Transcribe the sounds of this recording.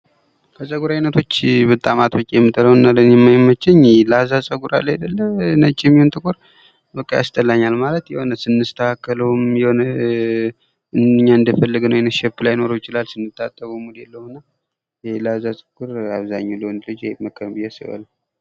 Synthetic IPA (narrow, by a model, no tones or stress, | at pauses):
kʰəsʼəɡuɾajnət̪ʰo̞t͡ʃːbɨt̪ʼːamat̪ʰwɨt͡ʃʼijɛmːɨt̪ʰːələwuɨnːalənjɛmajmːət͡ʃːɛɲlazasʼəɡuɾa̰lajad̪əlːəmnət͡ʃʼːɪjɛmːihont̪ʼɨkʼuɾ | bəkʼːaja̰st̪ʰʼəlaɲːalmalət̪jɛho̞nəsɨnːɨst̪ʰəkʰakːələwmjɛho̞nə | ɨnɲːaɨnd̪əfəlːɨɡnəwjɛnət̪ʃɛpːlajno̞ɾujɪt͡ʃɪlalsɨnːɨt̪ʼːat̪ʼːəβumulɛlːəhunːa | jlazasʼəɡuɾaβzaɲːuləwnlɨd͡ʒməkʰːəbɨjɛsɨ̰ʔə̰l